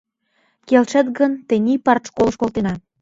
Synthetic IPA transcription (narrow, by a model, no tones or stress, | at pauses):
kelʃə̆t̪ɣənt̪enʲipɑrt̪ʃkolə̆ʃkolt̪enɑ